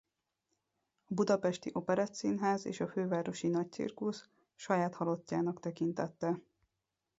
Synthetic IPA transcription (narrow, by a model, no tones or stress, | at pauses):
ɒbud̪ɒpɛʃt̪iʔo̞pɛɾɒt̪siːnɦaːzḛːʃɒføːvaːɾo̞ʃinɒc̚t̪sḭrkus | ʃɒjaːt̪hɒlocːaːnɒkt̪ɛkint̪ɛt̪ːɛ